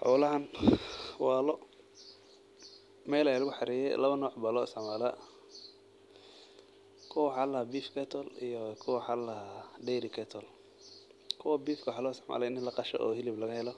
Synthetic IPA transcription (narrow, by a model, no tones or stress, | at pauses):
ħɔ̰wlɐɦɐn | waːlɔ | mɛːlɛjlʊɣʊħɑɾiːjɛjlɐβɐnɔːʕbɐlɔsɐʕmaːlɐ | kʰʊwħaːlɐhabiːfkʰɛt̪ʰɔlijɔkʰʊwwħaːlɐhadɛjɾɪkʰɛt̪ʰɔl | kʰʊwɐbiːfkʰɐwħalɔːsɐʕma̰ːlɐɪnɪlɐqɑʃɔ̰ʔɔ̰ːhɪlɪblɐɣɐhɛlɔ